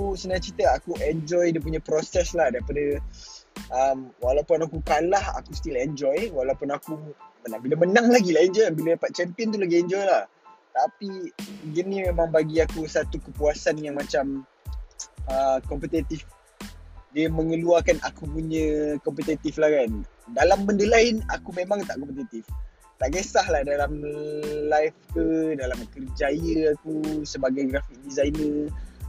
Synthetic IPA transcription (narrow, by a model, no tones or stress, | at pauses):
kusənãt͡ʃit̪əakuʔɛnd͡ʒɔjdiəp̬uɲə̃pɾosɛslahdaɾipadə | ʔəmwalawpʊnakukalaha̰kust̪ilɛnd͡ʒɔjwalawpʊnakumənãŋbiləmənãŋlaɡilahɛnd͡ʒɔjanbiladapat̪̚t͡ʃɛmpiənt̪̬ulaɡiɛɲd͡ʒɔjlah | t̪apiɡinĩmemãŋbaɡiakusat̪ukəpuasanjaŋmãt͡ʃam | əkɔmpət̪ɛt̪if | diəmə̃ŋəluakanakupuɲə̃kɔmpət̪ɛt̪iflakandalambəndəlaɪnakumẽmaŋt̪aʔkɔmpət̪it̪if | t̪aʔŋesahlahdalamlajfkədalamkərd͡ʒajəakusəbaɡajɡɾafik̚dizajnə